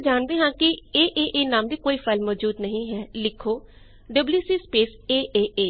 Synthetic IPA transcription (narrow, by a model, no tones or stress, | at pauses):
d͡ʒaːnd̪eːɦãːkɪeːʔeːʔeːnaːmd̪iːkoːiːpʰəlmɔːd͡ʒuːd̪nəɦĩːɦɛːlɪkʰoː | ɖəbljuːsiːspeːseːʔeːʔeː